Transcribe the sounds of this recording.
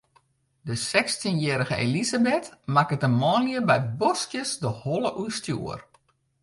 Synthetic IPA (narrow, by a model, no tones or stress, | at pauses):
dəsɛkstinjɛːɾəɣəḛlizabɪtmakətənmɔːnjəbɛjbɔskjəsdəhɔləʔuəstjṵːər